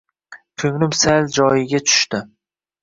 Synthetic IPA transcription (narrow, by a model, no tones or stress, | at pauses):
kʰɵŋlʊmsald͡ʒɒjɪɡʲat͡ʃʰʊ̥ʃt̪ɪ